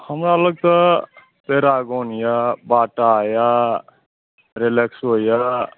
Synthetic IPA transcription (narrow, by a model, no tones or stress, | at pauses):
həmɾaələɡ̚t̪ʌ | peɾaɡonjabaʈaja | ɾeleksoja